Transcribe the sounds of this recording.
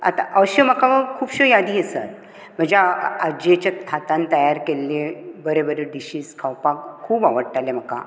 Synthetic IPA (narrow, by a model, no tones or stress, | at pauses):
a̰t̪a̰ʔəɕəm̤əkaʋəkʰuːbɕəjad̪iːəsa̰t̪̚ | m̤əd͡ʑaad͡ʑet͡ɕaat̪ãnt̪əjaɾkelːebəɾebəɾeɖiɕiːskʰawpakkʰːuːbaʋəɽʈalem̤əka̰